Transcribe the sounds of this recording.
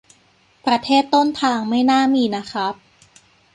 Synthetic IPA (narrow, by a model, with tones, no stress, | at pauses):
pɾa˧t̪ʰeː˥˩t̪ːo˥˩nt̪ʰaː˧ŋma˥˩jnaː˥˩miː˧na˦˥kʰɾa˦˥p̚